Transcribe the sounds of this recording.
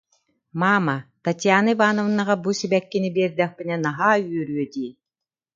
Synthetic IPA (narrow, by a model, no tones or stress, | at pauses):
maːmɐt̪at̪ʲjaːnɯbaːnɔvɯnːaʁabusibɛkːinibiɛɾd̪ɛχpinɛnaɦaːyœɾyœt̪iː